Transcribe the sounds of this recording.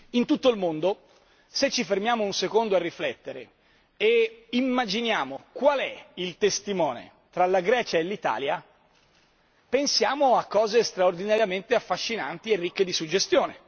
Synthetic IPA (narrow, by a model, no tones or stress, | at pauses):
int̪ut̪ːoilmond̪o | set͡ʃːifermjaːmounsekond̪oarːiflɛt̪ːeɾḛ | eimːad͡ʒinjaːmokwalɛilt̪est̪imɔːnḛ | t̪ɾalaɡɾɛːt͡ʃaelːit̪a̰ːlja | pensjaːmoakːɔːzest̪ɾaord̪inaɾjament̪eafːaʃːina̰nt̪ierːikːed̪isud͡ʒːest̪joːne